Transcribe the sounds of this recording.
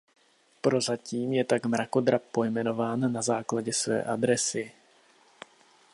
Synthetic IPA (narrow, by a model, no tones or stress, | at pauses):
pɾo̞zaciːmjɛt̪akmɾako̞d̪ɾapo̞jmɛno̞vaːnːazaːklaɟɛsvɛ̰ːʔad̪ɾɛsɪ